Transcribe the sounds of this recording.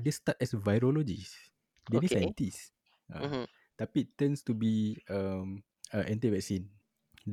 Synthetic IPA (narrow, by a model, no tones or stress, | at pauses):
destatɛsvajɾolod͡ʒis | denisãjtis | ã̰ | t̪apitːɛ̃nstubiam | əʔɛ̃ntivɛk̚sĩn | d